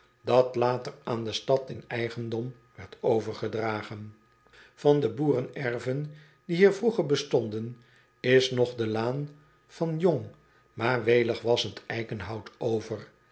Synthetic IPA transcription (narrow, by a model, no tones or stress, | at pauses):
dɑtlaːtəraːndəstɑtɪnɛjχəndɔm | ʋɛɹtowvəɹχədraːχən | fɑndəbuːrənɛɹvən | diɦiːɹvruχəɹbəstɔndən | ɪsnɔχdəlaːn | v̥ɑnjoŋ | maːɹʋejləχʋɑsəntɛjkənɦɑwtʰowvər